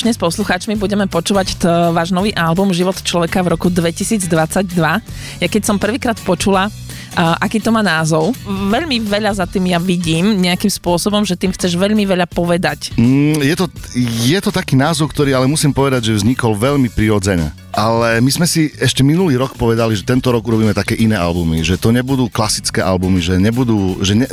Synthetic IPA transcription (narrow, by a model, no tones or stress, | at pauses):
ʃɲɛspɔsluxaːt͡ʃmibuɟɛmɛpɔt͡ʃuːʋact̪ʋaːʒnɔʋiːʔalbumʒiʋɔt̪t͡ʃlɔʋɛkavɾɔkud̪ʋɛcisiːd͡zd̪ʋat͡saɟd̪ʋa | jakɛcsɔmpr̩ʋiːkɾaːt̪pɔt͡ʃula | ʔakiːt̪ɔmaːnaːzɔʊʋɛʎmiʋɛʎazat̪iːmjaʋiɟiːmɲɛakimspʊɔsɔbɔmʒɛt̪iːmxt͡sɛʒʋɛʎmiʋɛʎapɔʋɛd̪acm̩jɛt̪ɔjɛt̪ɔt̪akiːnaːzɔʊk̚t̪ɔɾiːalɛmusiːmpɔʋɛd̪aɟʒɛvzɲikɔlʋɛʎmipɾiɾɔd͡zɛɲɛ̰ | ʔalɛmizmɛsiɛʃcɛminuliːɾɔkpɔʋɛd̪aliʒɛt̪ɛnt̪ɔɾɔɡuɾɔbiːmɛt̪akɛːʔinɛːa̰lbumiʒɛt̪ɔɲɛbud̪uːklasit͡skɛːʔalbumiʒɛɲɛbud̪uːʒɛɲɛ